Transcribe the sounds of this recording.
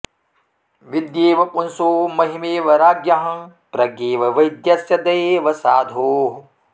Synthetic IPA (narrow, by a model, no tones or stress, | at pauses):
ʋid̪jeːʋɐpunsoːmɐɦimeːʋɐɾaːɡjɐɦɐ | pɾɐɡeːʋɐʋɐjd̪jɐsjɐd̪ɐjʋɐsaːd̪ʱoːɦ